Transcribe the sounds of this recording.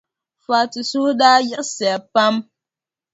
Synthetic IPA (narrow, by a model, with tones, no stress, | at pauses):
faː˨ti˨su˦daː˦jɛ˦ʔsɛ˨pa˦m